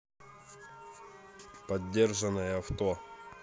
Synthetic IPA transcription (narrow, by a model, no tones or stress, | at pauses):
pɐdʲːe̞rʐənəjəft̪o